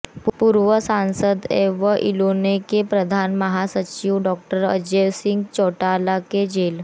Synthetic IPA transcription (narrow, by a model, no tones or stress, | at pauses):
puːɾʋəsãnsəd̪ḛʋəʔilonekepɾəd̪ʱanməɦasət͡ɕiʋɖɔk̚ʈəɾə̰d͡ʑeʋsiŋɡt͡ɕɔʈalaked͡ʑel